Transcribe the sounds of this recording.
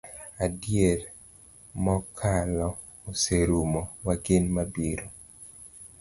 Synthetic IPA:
adjeɾ | mɔkʰalɔː | seɾumɔwaɡenmabiɾo

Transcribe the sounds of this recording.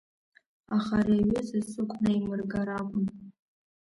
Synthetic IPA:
aχaɾaɥɪzasɨkʷʼnaimɨrɡaɾakʷʼʊn

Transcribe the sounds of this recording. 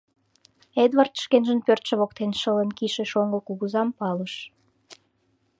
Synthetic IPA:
ed̪βɑrt̪ə̥ʃkenʒənpørt̪ʃə̆βok̚t̪enʃələnkiʃĕʃoŋɡokuɣuzɑmpɑləʃ

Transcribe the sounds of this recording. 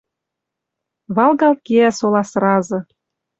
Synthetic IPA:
βɑlˠɣɑlkeæsolɑsrɑzɤ̆

